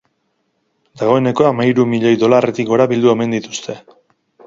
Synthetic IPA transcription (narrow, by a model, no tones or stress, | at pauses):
d̪aɣ̞o̞e̞ne̞ko̞amaiɾumiʎejðo̞lare̞t̪ikɡo̞ɾaβild̪ue̞me̞nd̪it̪ust̪ʰe̞